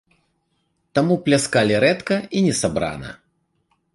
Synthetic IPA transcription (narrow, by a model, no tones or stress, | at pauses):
t̪amuplʲaskalʲiɾɛt̪kɐinʲɛsabɾa̰nɐ̰